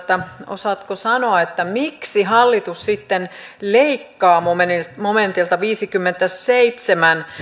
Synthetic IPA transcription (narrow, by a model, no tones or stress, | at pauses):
t̪ːæo̰sɑt̪kosɑnoɑet̪ːæmiksiɦɑlːit̪ussit̪ːenleikːɑːmomenimoment̪ilt̪ɑʋiːsikymːent̪æseit̪semæn